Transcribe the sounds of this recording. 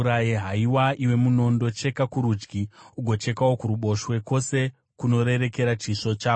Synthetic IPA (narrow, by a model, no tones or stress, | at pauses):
ɾajeɦaiwaʔiwe̞muno̞ndo̞t͡ʃe̞kakuɾuːd͡ʒɡiuɡʱo̞t͡ʃe̞kawo̞kuɾuɓo̞ʃwe̞ko̞se̞ | kuno̞ɾe̞ɾe̞ke̞ɾat͡ʃiʂo̞t͡ʃaː